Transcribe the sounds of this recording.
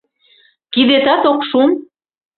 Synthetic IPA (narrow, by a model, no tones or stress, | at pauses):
kiðet̪ɑt̪okʃum